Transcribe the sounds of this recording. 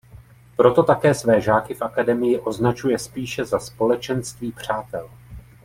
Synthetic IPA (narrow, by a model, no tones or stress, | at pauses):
pɾo̞t̪o̞t̪akɛːsvɛːʒaːkɪfʔakadɛmɪjɪʔo̞znat͡ʃujɛspiːʃɛzaspo̞lɛt͡ʃɛnst̪viːpr̝̥aːt̪ɛl